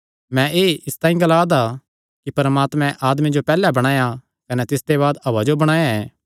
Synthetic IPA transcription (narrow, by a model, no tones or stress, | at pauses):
mɛ̃ʔeːʔɪst̪ãːĩɡɐlaːd̪a | kipɐɾmaːt̪mɛ̃ʔaːd̪mid͡ʒopɛːlɛbɐɽ̃aːja | kɐnɛt̪ɪsd̪eβaːd̪ɐʋad͡ʒobɐɽ̃aːjaɛː